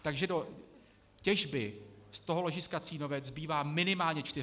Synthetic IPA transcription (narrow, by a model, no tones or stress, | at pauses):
t̪aɡʒɛdo̞ | cɛʒbɪst̪o̞ɦoloʒɪskat͡siːno̞vɛt͡szbiːvaːmɪnɪmaːlɲɛt͡ʃt̪ɪ